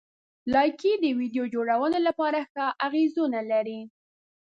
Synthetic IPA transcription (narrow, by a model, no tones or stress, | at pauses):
lɑjkid̪əwid̪jod͡ʒoɽawənolapɑɾaxɑʔaɣezunalaɾi